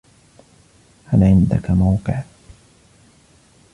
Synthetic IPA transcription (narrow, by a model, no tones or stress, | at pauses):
halʔɪnd̪akamawqɨʕ